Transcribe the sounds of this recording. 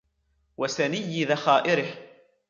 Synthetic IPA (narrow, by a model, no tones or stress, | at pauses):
wasanɪjːɪðaxaːʔɪɾɪh